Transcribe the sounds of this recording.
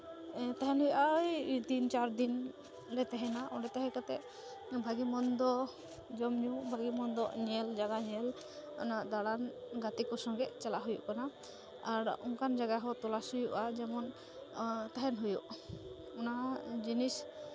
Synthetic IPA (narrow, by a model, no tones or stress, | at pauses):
t̪aɦɛnɦujʔajd̪int͡ʃaɾd̪in | ɾɛt̪ɛɦɛnaʔɔɾɛt̪ɛɦɛkat̪ɛʔ | bʱaɡimɔnd̪ɔ | d͡ʒɔmɲubʱaɡimɔnd̪ɔʔɲɛld͡ʒaɡaɲɛl | ɔ̰naʔd̪aɽanɡat̪ikɔsɔŋɡɛʔt͡ʃɛlaɦujṵʔkana | aɾɔŋkand͡ʒaɡaɦɔt̪ɔlasujuʔad͡ʒɛmɔn | t̪aɦɛnɦujɔʔ | ɔnad͡ʒinis